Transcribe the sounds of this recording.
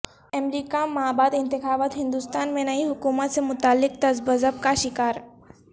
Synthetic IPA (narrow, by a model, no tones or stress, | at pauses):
ɐmɾiːkamaːbaːd̪ɪ̃nt̪ɪxaːbət̪ɦɪ̃nd̪ust̪aːnmẽnɐiɦʊkuːmət̪semʊt̪aːlːɪk̚t̪ɐzbəzəb̚kaʃɪkaːɾ